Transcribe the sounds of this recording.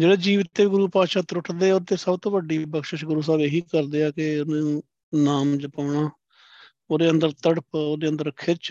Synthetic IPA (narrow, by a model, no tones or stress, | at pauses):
d͡ʒeːɽeːd͡ʒiːʋɪt̪ːeːiːɡʊɾuːpaːʃaːt̪ɾʊʈʰd̪eːoːt̪eːsəbt̪õːʋəɖiːbəkʃəʃɡʊɾuːs̬aːbeːɦiːkəɾd̪eːaːkenaːnũː | naːmd͡ʒəpaːɳaː | oːd̪eːənd̪əɾt̪əɽpoːd̪eːənd̪əɾkʰɪɾt͡ʃ